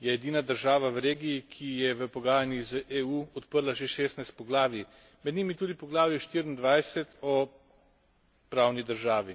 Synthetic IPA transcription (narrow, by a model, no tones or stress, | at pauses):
jɛɛd̪iːnad̪əɾʒaːʋaʋɾeːɡiːkʰijɛʋəpɔɡaːjanjizəʔeuːɔt̪pəɾlaʒeʃeːst̪najst̪̚pɔɡlaːʋi | mɛd̪niːmit̪uːd̪ipɔɡlaːʋjɛʃt̪iɾind̪ʋajsɛt̪ɔ | pɾaːwnid̪əɾʒaːʋi